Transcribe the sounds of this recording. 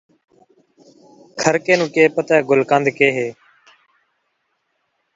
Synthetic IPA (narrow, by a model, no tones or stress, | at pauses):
kʰəɾkeːnũːkeːpət̪aːɡʊlkãːnd̪keːɦeː